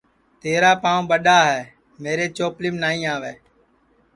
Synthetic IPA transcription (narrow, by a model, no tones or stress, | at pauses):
t̪eːɾaːpãːɓəɗaːɦɛː | meːɾeːt͡ʃoːplɪmnaːĩːaːʋeː